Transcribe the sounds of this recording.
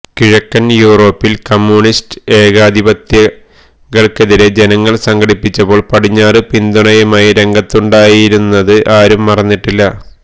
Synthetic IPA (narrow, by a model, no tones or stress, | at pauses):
kiɻɐkːɐnjuːro̞ːpːilkɐmːjuɳistɨe̞ːɣaːd̪ʱibɐt̪jɐ | ɣɐɭkeðiɾe̞d͡ʑe̞nɐŋːɐɭsɐŋɡɐɽipːit͡ɕːɐpo̞ːɭpɐʈiɲːaːrɨpind̪uɳɐjɐmaːjiɾe̞ŋɡɐt̪ːuɳɖaːjiɾunːɐðɨʔaːɾumːɐrɐnːiʈːilːɐ